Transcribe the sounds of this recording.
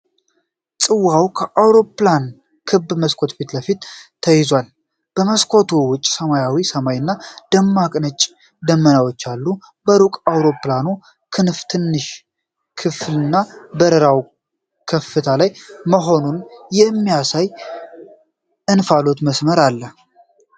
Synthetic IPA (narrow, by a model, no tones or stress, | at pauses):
sʼɨwawkʰəʔawɾo̞plan | kʰɨbːməskʰo̞t̪fit̪ləfit̪t̪ʰːəjɪzwal | b̥əməskʰo̞t̪ʰowʊt͡ʃʼːsəmajawisəmajnːad̪əmːakʼnət͡ʃʼ | d̪əmːənawot͡ʃːalːu | bəɾukʼawɾo̞planu | kʰɨnft̪ʰɨnːɨʃ | kʰɨflɨnːabəɾəɾaw | kʰəfːɨt̪ʰalajməɦo̞nunjɛmːijasaj | ʔɨnfalot̪məsməɾalːə